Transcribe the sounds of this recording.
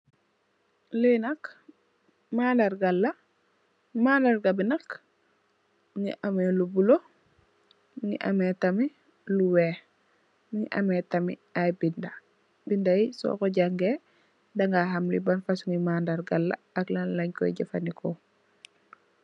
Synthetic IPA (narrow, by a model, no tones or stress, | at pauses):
lenɐk | maːndɐɾɡalːɐ | maːndaɾɡabinɐk | ŋḭʔamelubulo | ŋḭʔɐmetɐmi | luwɛː | ŋḭʔɐ̰mɛtɐmḭajbinda | bindajisɔ̰koɟaŋɡe | daŋɡaɦamlibanfasuŋimandaɾɡalːa̰ːklanlɐɲkɔ̰jɟafanikɔ